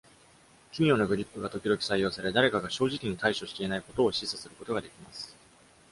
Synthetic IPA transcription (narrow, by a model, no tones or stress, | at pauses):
kʲimʲo̞ːnaɡɯ̟ɾʲipːɯ̟ɡat̪o̞kʲid̪o̞kʲi̥saijːo̞ːsaɾe̞d̪aɾe̞kaɡaɕo̞ːʑikʲiɲ̟it̪aiɕo̞ɕi̥t̪eenaiko̞t̪o̞ːɕisɨsɨɾɯ̟ko̞t̪o̞ɡad̪e̞kʲimasɨ̥